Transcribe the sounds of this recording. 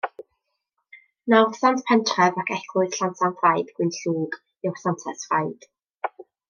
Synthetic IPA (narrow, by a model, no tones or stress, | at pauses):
nɔrsantpʰɛntʰrɛvakʰɛkʰlˠʊɨð̥ɬantʰantrajdɡ̥wɪnɬuːɡ | ɪwsantʰasfrajd̥